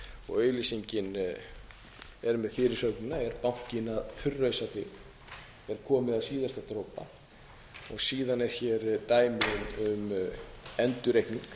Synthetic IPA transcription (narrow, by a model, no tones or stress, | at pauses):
ɔ̰ɣœːɥlisiɲcɪn | ɛɾmɛðfɪːɾɪɾ̥sœɾknɪnaɛɾpaŋ̥cɪnaðθʏrːœɥsat̪ɪ | ɛɾ̥kʰɔːmɪðaðsiːðast̪at̪ɾowpa̰ | ɔɣsiːðanɛɾ̥çɛɾt̪aːjmɪnʏm | ɛnt̪ʏɾejhkniŋk